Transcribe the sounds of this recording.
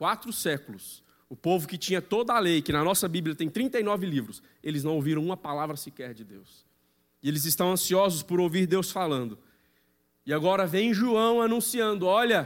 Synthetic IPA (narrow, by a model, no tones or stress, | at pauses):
kwat̪ɾʊsɛkʊlʊs | ʊpovʊkɪt͡ʃĩɲɐt̪od̪ɐalejkɪnɐnɔsɐbibljɐt̪ẽj̃t̪ɾĩnt̪ɐjnɔvɪlivɾʊs | elɪznɐ̃w̃owviɾɐ̃w̃ũmɐpalavɾɐsɪkɛɾd͡ʒɪd̪ews | ɪelɪzɪst̪ɐ̃w̃ɐ̃siɔzʊspʊɾowviɾd̪ewsfalɐ̃nd̪ʊ | ɪaɡɔɾɐvẽj̃ʒuɐ̃w̃anũsiɐ̃nd̪ʊɔʎɐ